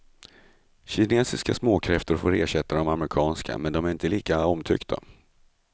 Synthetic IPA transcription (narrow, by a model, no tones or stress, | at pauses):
ɕɪneːsɪskasmoːkʰɾɛft̪əɾfoːɾeːɕɛt̪ːad̪ɔmamɾɪkʰɑːnskʰa̰mɛnd̪ɔmæɾɪnt̪əliːkaɔmt̪ʰʏ̰kt̪ʰa̰